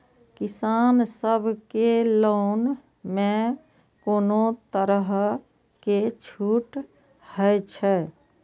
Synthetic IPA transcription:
kɪsaːnsəbʱkeloːn | mẽ | koːnot̪əɾəɦ | ket͡ʃʰuːʈ | həjt͡ʃʰɛ

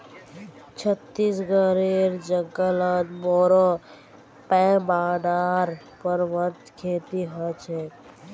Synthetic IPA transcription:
t͡ʃʰət̪ːisɡəɾeɾd͡ʒəŋɡələt̪bɔːɾɔ | pɛ̃baːɖaːɾ | pəɾʋət̪kʰeːt̪iɦət͡ʃʰɛ

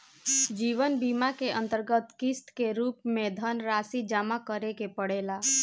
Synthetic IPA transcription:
d͡ʒiːʋənbimakeʔənt̪əɾɡət̪kɪst̪keɾuːpmẽd̪ʱənɾasid͡ʒamakəɾekepəɽela

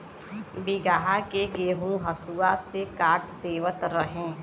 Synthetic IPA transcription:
biɡaɦakeɡeːɦũɦɐsuasekaːʈd̪eːʋət̪ɾəɦẽː

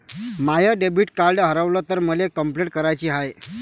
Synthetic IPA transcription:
majəɖebiːʈkaɾɖɦəɾəʋləːt̪əɾməlekəmpleʈ̚kəɾajt͡ɕiːɦaj

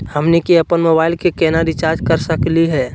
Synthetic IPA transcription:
həmnekiəpənmobaːɪlkekɛnaɾit͡ʃaɾd͡ʒkəɾsəkliɦɛː

